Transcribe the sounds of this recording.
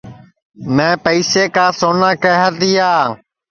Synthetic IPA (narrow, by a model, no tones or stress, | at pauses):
mẽːpəiseːkaːsoːnãːkəɦət̪iːaː